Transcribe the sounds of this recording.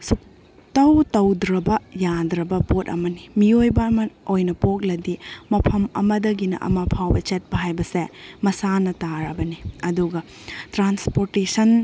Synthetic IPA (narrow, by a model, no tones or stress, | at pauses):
suk̚ | tɐwtɐwdɾɐbɐjadɾɐbɐpotɐ̰mɐnimiojbɐmɐojnɐpok̚lɐdimɐpʰɐmɐ̰mɐdɐɡinɐ̰ʔɐ̰mɐpʰawbɐt͡ʃet̚bɐɦajbɐsemɐsanɐtaɾɐbɐniɐduɡɐ | tɾanspoɾtesɐn